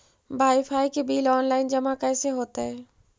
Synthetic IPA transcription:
baːjfʰaːikebiːlɔːnlaːɪnd͡ʒɐmãkɛːseɦoːt̪aɦɛː

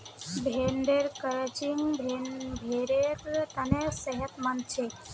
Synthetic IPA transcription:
bʱeɳɖeɾkəɾət͡ʃiŋɡbʱebʱeɾekt̪anesəɦət̪mənt͡ʃʰe

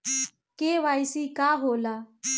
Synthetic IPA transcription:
keʋajsiːkaɦolaː

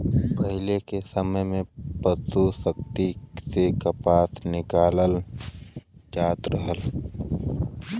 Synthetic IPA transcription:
pəɦɪlekesəməjmẽpəsusək̚t̪isekapaːsnɪkaːləl | d͡ʒaːt̪ɾəɦəl

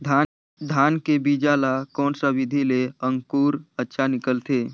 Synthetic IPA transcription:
d̪ʱ | d̪ʱaːnkebiːd͡ʒalakɔːnsaʋɪd̪ʱileə̃ŋkuːɾətːʃʰanɪkəlt̪ʰeː

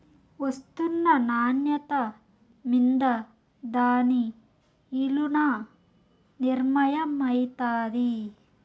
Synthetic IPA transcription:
ost̪unːɐnaːnjɐt̪ɐ | mind̪ɐ | d̪aːni | ilunɐ | niɾmɐjɐmɐjt̪aːd̪i

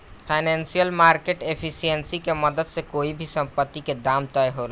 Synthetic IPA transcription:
pʰaɪnɛ̃nsijəlmaːɾkeʈepʰisijənsikemɐd̪əd̪sekoːibʱisɐ̃mpət̪ːiked̪aːmt̪aeɦoɾa

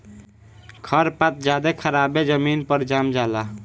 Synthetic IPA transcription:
kʰəɾpat̪̚d͡ʒad̪ekʰəɾabed͡ʒəminpəɾd͡ʒamd͡ʒala

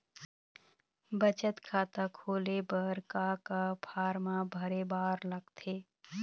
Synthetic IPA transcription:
bət͡ʃət̪kʰaːt̪akʰoːlebəɾkakapʰaːɾmabʱəɾebaːɾləɡt̪ʰe

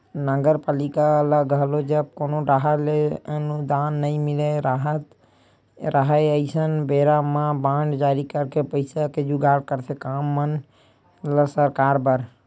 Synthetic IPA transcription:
nəɡəɾpalikaləɡəɦlod͡ʒəb̚konoɖaɦaleənud̪anːəimileɾaɦət̪ | ɾəɦəəɪsənbeɾamãbãɳɖd͡ʒaɾikəɾkepəɪsaked͡ʒuɡaɽkəɾt̪ʰekamːən | ləsəɾkaɾbəɾ

